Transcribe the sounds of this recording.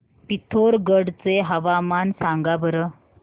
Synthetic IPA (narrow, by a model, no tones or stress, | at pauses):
pit̪ʰoɾɡəɽt͡seɦəʋamansãŋɡabʱəɾə